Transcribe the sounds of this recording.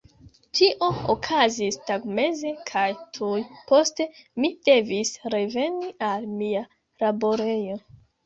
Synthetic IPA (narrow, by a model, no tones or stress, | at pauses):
tiʔo̞okʰazistaɡme̞ze̞kʰajtʰujpo̞ste̞mid̥e̞visɾe̞ve̞nialmia | labo̞ɾe̞jo̞